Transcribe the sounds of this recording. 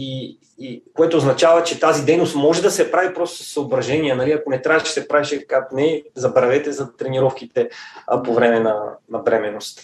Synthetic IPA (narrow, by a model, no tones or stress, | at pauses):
iː | koɛt̪oːznɐt͡ʃavɐt͡ʃɛt̪azid̪ɛjnost̪mɔʒɛd̪ɐsɛpɾavipɾɔst̪ossɐobɾɐʒɛniənɐliɐkonɛt̪ɾaʃsɛpɾaɛʃɛkat̪nɛzɐbɾɐvɛt̪ɛzɐt̪ɾɛniɾɔfk̟it̪ɛpovɾɛmɛnɐnɐbɾɛmɛnost̪